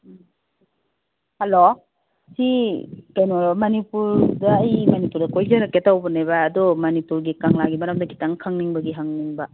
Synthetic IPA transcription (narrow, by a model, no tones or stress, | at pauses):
hɐlo | sikajnoɾmɐnipuɾdɐːjmɐnipuɾdɐkojzɐɾɐkːetawbɐnejβɐːdɔmɐnipuɾɡikaŋlaɡimɐɾɐmdɐɡitaŋkʰaŋniŋbɐɡiɦɐŋniŋbɐ